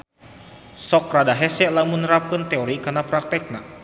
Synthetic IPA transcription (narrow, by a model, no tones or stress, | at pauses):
sɔkradaɦɛsɛlamənəɾap̚kənt̪ɛoɾikarnapɾak̚t̪ɛk̚na̰